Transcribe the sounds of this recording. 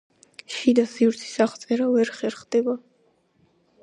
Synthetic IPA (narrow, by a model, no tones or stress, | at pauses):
ʃid̪asivɾt̪sʰi̥saχt̪sʼɛɾavɛɾχɛɾχd̪̥ɛba